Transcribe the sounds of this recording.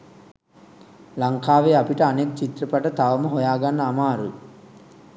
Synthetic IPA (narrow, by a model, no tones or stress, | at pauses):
lɐŋkaːʋeːapiʈəanek̚t͡ʃit̪ɾɐpɐʈət̪aʋɐmɐɦojaːɡanːəamaːɾṵ